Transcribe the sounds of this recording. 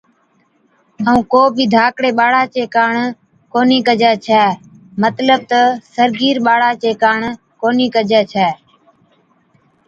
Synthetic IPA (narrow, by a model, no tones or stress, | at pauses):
əũːkoːbʱiːd̪ʱaːkɽeːɓaːɽaːt͡ʃeːkaːɳ | koːniːkəd͡ʒɛːt͡ʃʰɛː | mət̪ləb̚t̪əsəɾɡiːɾɓaːɽaːt͡ʃeːkaːɳ | koːniːkəd͡ʒɛːt͡ʃʰɛː